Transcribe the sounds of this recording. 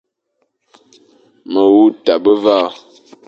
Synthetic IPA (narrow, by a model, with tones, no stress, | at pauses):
mə˨wu˦ta˨bə˦va˦˨